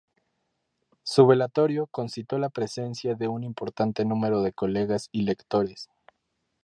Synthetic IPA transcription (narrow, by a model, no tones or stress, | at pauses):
suβelat̪o̞ɾjo̞ko̞nsit̪o̞lapɾe̞se̞nsjaðe̞unimpo̞ɾt̪ant̪e̞nũme̞ɾo̞ðe̞ko̞le̞ɣasile̞kt̪o̞ɾe̞s